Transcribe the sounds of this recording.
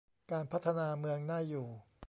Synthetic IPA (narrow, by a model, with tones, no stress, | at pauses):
kaː˧npʰa˦˥t̪ʰːa˧naː˧mɯ˧əŋnaː˥˩jːuː˨˩